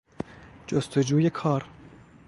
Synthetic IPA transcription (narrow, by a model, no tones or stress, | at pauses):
d͡ʒost̪ʰod͡ʒuːjekʰɒːɾ